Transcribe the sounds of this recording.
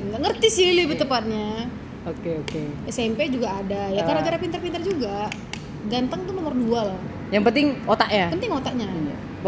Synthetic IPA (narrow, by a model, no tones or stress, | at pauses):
ŋaŋərt̪isilibət̪əpat̪̚ɲa | okeokeɛsɛmped͡ʒuɡaːdajakarnaɡaɾapint̪ərpint̪ərd͡ʒuɡa | ɡant̪əŋt̪unomʊrduala | jaŋpənt̪ɪŋot̪aʔɲapənt̪ɪŋot̪aʔɲa̰